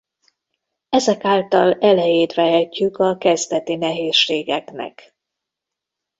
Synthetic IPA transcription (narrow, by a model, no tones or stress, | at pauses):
ɛzɛkaːlt̪ɒlɛlɛjeːt̪ʋɛɦɛcːykɒkɛzd̪ɛt̪inɛɦeːʃːeːɡɛknɛ̰k